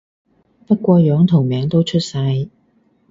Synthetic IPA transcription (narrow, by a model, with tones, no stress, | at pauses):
pɐ˥t̚kʷɔː˧jœː˨˥ŋt̪ʰʊ˨˩ŋmɛː˨˥ŋt̪o˥wt͡ʃʰɵ˥t̚sɐ˧j